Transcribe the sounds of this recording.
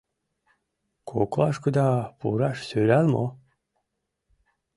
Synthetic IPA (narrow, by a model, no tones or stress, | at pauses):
kʰoklˠɑʃkud̪ɑbṵɾɑʃsøjɾælmo̰